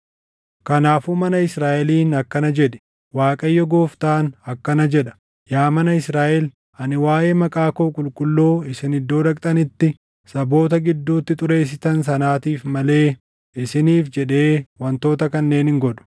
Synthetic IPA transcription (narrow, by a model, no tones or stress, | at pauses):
kɐnaːfuːmɐnɐɪsɾaːʔɛliːnɐkːɐnɐd͡ʒɛᶑɛ̥ | waːkʼɐjːɔɡo̞ːft̪aːnɐkːɐnɐd͡ʒɛᶑɐ̥ | jaːmɐnɐɪsɾaːʔɛl | ɐnɪwaːjeːmɐkʼaːkoːkʼʊlkʼʊlːoːɪsɪnɪd̪ːo̞ːᶑɐkʼt̪ʼɐnɪt̪ːɪ | sɐbo̞ːt̪ɐɡɪd̪ːuːt̪ːɪt̪ʼʊɾe̞ːs̬ːɪt̪ɐns̬ɐnaːt̪iːfmɐle̞ː | ɪsɪniːfd͡ʒɛᶑe̞ːwɐnt̪o̞ːt̪ɐkɐnːe̞ːnɪŋɡɔᶑʊ̥